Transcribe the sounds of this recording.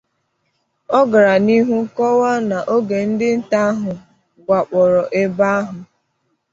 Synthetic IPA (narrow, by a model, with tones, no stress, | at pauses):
ɔ˦ɡa˨ɾa˨ni˦ɦu˦kɔ˦wa˦na˨ʔo˦ɡe˨n̩˦dɪ˦n̩˦ta˦a˦ɦʊ˨ | ɡʷa˨k͡pɔ˨ɾɔ˨ʔe˦ba˦a˦ɦʊ˨